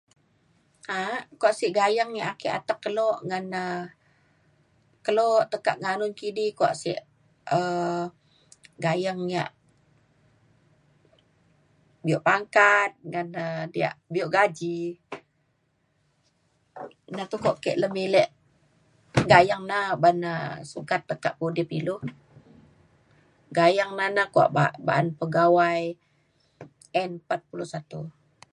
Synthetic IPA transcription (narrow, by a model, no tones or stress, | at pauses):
akoaʔsiʔɡajaŋːiaʔakɛʔa̰t̪akːəloʔŋanə | kəloʔt̪əka̰ʔŋanʊnkidikoa̰ʔsḭʔ | ə | ɡajaŋːia̰ʔ | bioʔpaŋkat̪̚ŋanədia̰ʔbioʔɡad͡ʒi | nat̪ukɔʔkɛ̰ʔləmilɛʔ | ɡajaŋnabanasukat̪ːəkaʔpudipiluh | ɡajaŋnanakua̰ʔba̰ba̰ʔanpəɡawaj | ɛnpat̪̚puluhsat̪u